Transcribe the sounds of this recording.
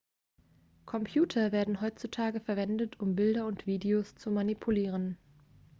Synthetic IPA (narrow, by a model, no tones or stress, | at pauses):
kʰɔmpʰjuːtʰɐveːɐdn̩ɦɔʏt͡sutʰaːɡəfɛɐvɛndətʊmbɪldɐʊntv̥iːdeoːst͡sumanipʰuliːʁ̞ən